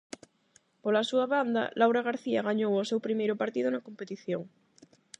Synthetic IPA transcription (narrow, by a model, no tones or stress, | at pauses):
polasuaβand̪a̰lʔawɾaɣaɾθiaɣaɲowosewpɾimejɾʊpaɾt̪iðʊnakompet̪iθjoŋ